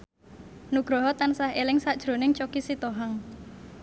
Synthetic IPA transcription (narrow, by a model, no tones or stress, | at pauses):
nuɡ̥ɾɔɦɔt̪ansaɦelɪŋsad̥ʒ̥ɾonɪŋt͡ʃokisit̪oɦaŋ